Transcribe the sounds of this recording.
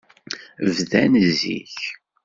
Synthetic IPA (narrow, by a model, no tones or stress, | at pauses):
vðænzḭç